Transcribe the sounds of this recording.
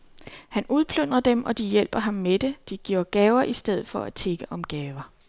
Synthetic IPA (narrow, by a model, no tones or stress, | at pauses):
hænuð̞ˠpʰløn̰ʁɐd̥emʔɒ̽d̥ijel̰b̥ɐɦɑ̈mːed̥e̝d̥iɡ̥oɐ̰ɡ̥ɛːʊɐʔisd̥eð̞̰̩ˠfɒ̽æt͡sʰe̝ɡ̥əʔɒ̽mɡ̥ɛːʊɐ